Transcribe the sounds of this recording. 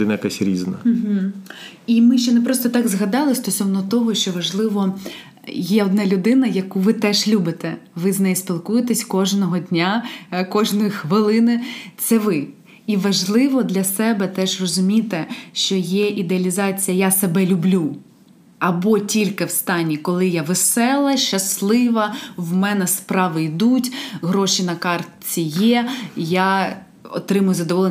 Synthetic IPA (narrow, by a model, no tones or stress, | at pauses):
d̪ɪnɐjɐkasʲɾʲiznɐ̰ɦ̩ | imɪʃt͡ʃɔnɛpɾɔst̪ɔt̪ɑɡzɦɐd̪ɑlˠɪsʲt̪ɔsɔwnɔt̪ɔɦɔʃʲt͡ʃɔʋɐʒlˠɪʋɔ | jɛɔd̪nɑlʲʊd̪ɪnɐjɐkuʋɪt̪ɛʒlʲubɪt̪ɛʋɪznɛjspʲilˠkujet̪ɛsʲkɔʒnɔɦɔdʲnʲakɔʒnɔjixʋɪlˠɪnɪt̪sɛʋɪ | iʋɐʒlˠɪʋɔd̪lʲɐsɛbɛt̪ɛʒrɔzʊmʲit̪ɛʃt͡ʃɔjɛʔid̪eɐlʲizɑt͡sʲijɐjasebɛlʲʊblʲu | ɐbɔtʲilʲkɪwst̪ɑnʲːikɔlˠɪjaʋesɛlˠɐʃɐslˠɪʋɐwmɛnɛspɾɑʋɪjd̪utʲɦɾɔʃinɐkɑrt̪t͡sʲijɛjɑ | ɔ̰t̪ɾɪmʊjʊzɐd̪ɔʋɔlˠ